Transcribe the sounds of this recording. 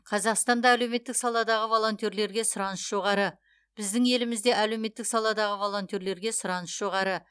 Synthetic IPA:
qʰɑzɑqst̪ɑnd̪ɑæle̞wme̞t̪ːɪksɑlˠɑd̪ɑʁəvo̞lˠo̞nt̪e̞ɾle̞ɾɡʲe̞sʊɾɑnəsʒ̥o̞ʁɑɾə | b̥ɪzd̪ɪŋe̞lɪmɪzd̪e̞ʔæle̞wme̞t̪ːɪksɑlˠɑd̪ɑʁəvo̞lˠo̞nt̪e̞ɾle̞ɾɡʲe̞sʊɾɑnəʃʒ̥o̞ʁɑɾə

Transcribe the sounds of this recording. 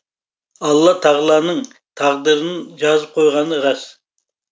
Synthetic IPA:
ɑlˠːɑt̪ʰɑʁlˠɑːnɨŋ | t̪ʰɑʁd̪ɨɾɨnɨd͡ʒɑzɨp̚qʰojʁɑnɨɾɑs

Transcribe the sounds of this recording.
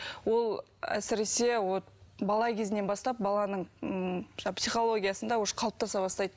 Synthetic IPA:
wo̞lˠ | æ̰sɪɾe̞se̞wo | bɑlˠɑkʲʰe̞zɪne̞nbɑst̪ɑp̚bɑlˠɑnəɴ | ʒɑpʲsijχo̞lˠo̞ɡʲijɑsənd̪ɑwoʃə̥qʰɑlˠp̚t̪ɑsɑbɑst̪ɑjd̪ə

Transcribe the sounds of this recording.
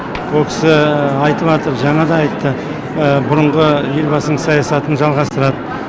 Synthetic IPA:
wolˠkʲʰɪ̥sɪɑjt̪əβɑt̪əɾʒɑɴɑd̪ɑɑjt̪ːə | əbʊɾʊəɴʁəje̞ɾbɑsəɴsɑjɑsɑt̪ənʒɑlˠʁɑst̪əɾɑd̪ə

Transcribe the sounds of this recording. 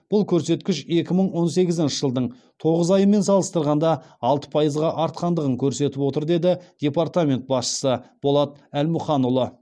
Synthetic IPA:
b̥ʊlˠkʲʰɵɾse̞t̪kʲɪʃe̞kʲɪməɴwo̞nse̞ɡʲɪzɪnʃɪʒəlˠd̪əɴ | t̪ʰo̞ʁəzɑjəme̞nsɑlˠəst̪əɾʁɑnd̪ɑɑlˠt̪ə̥pʰɑjəzʁɑʔɑɾt̪̚qɑnd̪əʁəŋkʲʰɵɾse̞t̪ɪpwo̞t̪əɾd̪e̞d̪ɪd̪̥ʲe̞paɾt̪amʲe̞nt̪̚bɑsʃə̥səb̥o̞lˠɑt̪̚ælmʊχɑnʊlˠə

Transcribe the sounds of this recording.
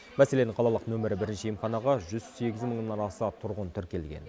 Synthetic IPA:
mæse̞le̞nɪɴqʰɑlˠɑlˠəqnɵmɪɾɪbɪɾɪnʃɪjəmχɑnɑʁɑʒʏzse̞ɡʲɪzməɴnənɑɾɑsət̪ʰʊɾʁənt̪ʰʏɾkʲe̞lɡʲe̞̰n

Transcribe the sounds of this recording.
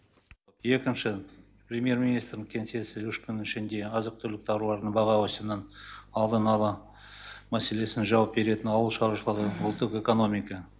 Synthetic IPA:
je̞kʲɪnʃɪ | pɾʲemije̞ɾminijst̪ɾɪnɪŋkʲʰe̞nse̞sɪwʏʃkʲʰʏnɪɪʃɪnd̪e̞ɑzəq̚t̪ʰʏɾlɪk̚t̪ʰɑɾulˠɑɾd̪əɴbɑʁɑwosəmnənɑlˠd̪ənɑlˠə | mæse̞le̞sɪnʒɑwɑp̚be̞ɾe̞t̪ɪnɑwəlˠʃɑɾuʃəlˠəʁəbʊlˠt̪ːəqe̞ko̞no̞mijka

